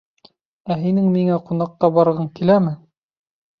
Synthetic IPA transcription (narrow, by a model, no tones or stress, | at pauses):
æɦinɘŋmiŋæqunɑqːɑbɑɾɤ̆ʁɤɴkilæmɘ